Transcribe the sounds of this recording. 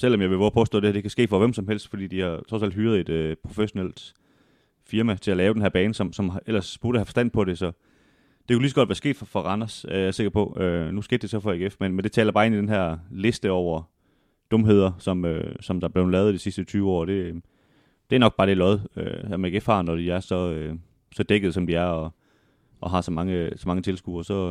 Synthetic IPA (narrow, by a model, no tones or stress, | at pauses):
sel̰ɒ̽mjɑɪʋe̝bɒpʰɒ̽sd̥ɔ̰ːd̥ehɐd̥e̝kʰæsɡ̥e̝̰ːfɒ̽ʋemsɒ̽mɦel̰sd̥fɒ̽d̥ḭːd̥ihɑ̈t͡sʰʁɒ̽sæl̰dɦyːɐð̞̩ˠe̝d̥øpʰʁo̝feɕo̝nel̰d̥ | fiɐmæt͡sʰe̝ælɛːʊd̥enɦæɐb̥ɛːnəsɒ̽msɒ̽melɐsb̥uɐɾ̥əhæfɒ̽sd̥æn̰pʰɒ̽ɾe̝sɒ̽ | d̥e̝kʰulis̬ɡ̥ɒ̽d̥ʋæːɐsɡ̥e̝ːd̥fɒfɒʁɑ̈nɐsæɐjaæse̝ɡ̥ɐpʰɒ̽ønusɡ̥e̝ːd̥e̝sɒ̽fɒ̽eɡ̥efmenmend̥e̝t͡sʰɛ̰ːlɐbɑ̈ːe̝nid̥enɦæɐ̰le̝sd̥əɒʊɐ | d̥ɔ̽mɦe̝ð̞̰ˠɐsɒ̽mø̰sɒ̽md̥ɑ̈b̥le̝ʊnlɛːð̩ˠid̥isisd̥ət͡sʰyːʊɒ̰ːd̥e̝ | d̥e̝ænɒ̽ɡ̥̚b̥ɑːd̥elɒðˠø̰æmɡ̥efhɑ̈ːnɒd̥iæɐsɒ̽ø | sɒ̽d̥eɡ̥əð̞̩ˠsɒ̽md̥iæɐɒ̽ | ʔɒ̽ɦɑ̈sɒ̽mɑ̈ŋəsɒ̽mɑ̈ŋət͡sʰe̝lsɡ̥uɒsɒ̽